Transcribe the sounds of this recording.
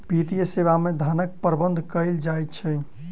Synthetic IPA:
pit̪ijəseβamed̪ʱanək̚pəɾbənd̪ʱkəjld͡ʒajt̪t͡ʃʰɛ

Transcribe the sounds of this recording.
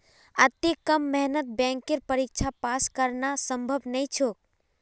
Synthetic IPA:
ət̪ːekəmːɛɦnət̪̚bɛ̃ŋkeɾpəɾik̚t͡ʃʰapaskəɾnasə̃mbʱəbnəit͡ʃʰok̚

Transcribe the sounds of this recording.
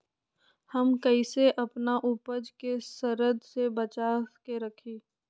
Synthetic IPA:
hɐmkəiseʔɐpnaʔʊpəd͡ʒkesɐɾəd̪sebɐt͡ʃaːkeɾɐkʰiː

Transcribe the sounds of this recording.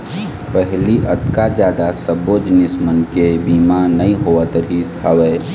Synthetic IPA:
pəɦliʔət̪kad͡ʒjaːd̪asəbod͡ʒnɪsmənkebiːmanəĩɦoət̪ɾisɦəweː

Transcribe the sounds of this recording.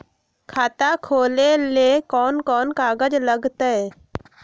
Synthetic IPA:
kʰaːt̪akʰoːlelekɔːnkɔːnkaːɡəd͡ʒləɡt̪eɛ

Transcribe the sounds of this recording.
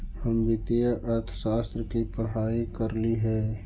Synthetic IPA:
həmbɪt̪ejəʔəɾt̪ʰə̥ʃaːst̪ɾəkipəɽɦaːikəɾliɦɛː

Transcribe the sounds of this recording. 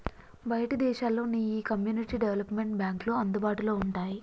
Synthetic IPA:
bɐjɐʈɐd̪ɛːʃaːlːo̞ːniːjikɐmjuːniʈiːɖeʋɐlɐpme̞ɳʈ̚bjaːŋkloɐnd̪ubaːʈulo̞ːuɳʈaːji

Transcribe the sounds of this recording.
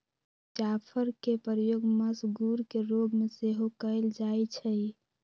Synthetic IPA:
t͡ʃapʰəɾkepəɾəjoɡməsɡuɾkeɾoɡmeseɦokəɪld͡ʒajt͡ʃʰəj

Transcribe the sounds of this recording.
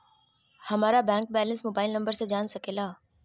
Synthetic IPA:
hɐmaːɾabɛ̃ːŋk̚bɛːlə̃nsmoːbaːɪlnə̃mbəɾsẽd͡ʒaːnsəkeːlaː

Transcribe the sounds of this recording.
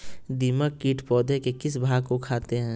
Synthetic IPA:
d̪iməkkːiːʈʰpɔːd̪ʱekekɪsbʱaːɡkokʰaːt̪eɦɛ̃ː

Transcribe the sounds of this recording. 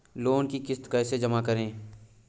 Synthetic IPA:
loːnkikɪst̪kəːsed͡ʒəmakəɾẽː

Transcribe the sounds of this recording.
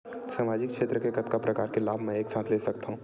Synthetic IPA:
saːmaːd͡ʒɪk̚kʃʰeːt̪ɾəkekɐt̪kapɾɐkaːɾkelaːbʱmɛ̃eːksãːt̪ʰleːsɐkt̪aɦũː

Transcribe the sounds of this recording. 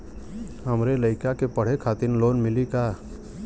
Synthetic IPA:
ɦəmɾeləɪkakepəɽ̤ekʰaːt̪ɪnloːnmɪlikaː

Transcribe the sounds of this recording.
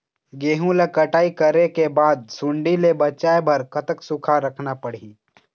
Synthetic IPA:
ɡeːɦũlekəʈaːikəɾekebaːd̪̚sʊɳɖilebɐt͡ʃaebɐɾkət̪əksʊkʰaɾəkʰnapəɽ̤i

